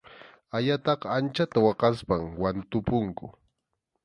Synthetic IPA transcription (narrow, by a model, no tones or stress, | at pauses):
aʎat̪ɑqɑant͡ʃat̪awɑqɑspaŋwant̪ʊpʊŋkʊ